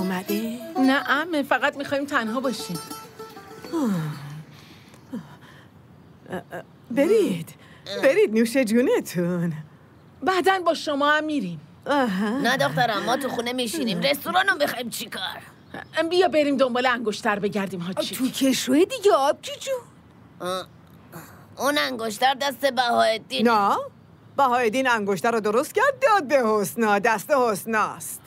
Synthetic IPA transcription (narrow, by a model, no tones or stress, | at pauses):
mæd̪enæʔæmefæɣæt̪mixɒːiːmt̪ʰænɦɒːbɒːʃim | beɾid̪̥ | beɾid̪̚nuːʃed͡ʒuːnet̪ʰun | bæːd̪ænbɒːʃomɒːæmːiːɾiːm | aɦænæd̪ɒχt̪æɾæmːɒːt̪uxunemiʃinimɾest̪oɾɑːnomixɑimt͡ʃʰikʰɒ̰ɾ | bijɒːbeɾiːmd̪ombɒːleæŋɡoʃt̪ʰæɾbe̞ɟæɾd̪iːmɦɒːt͡ʃʰit̪ʰucʰeʃujed̪iɟeɒb̥̚cʰit͡ʃu | unæŋɡoʃ̬t̪æɾd̪æst̪ebæhɒːed̪iːnnæː | b̥æhɒːed̪iːnæŋɡoʃt̪æɾɔːd̪oɾost̪̚cæɾd̪̚ːɒːd̪̚behosnɒːd̪æst̪ehosnɒːst̪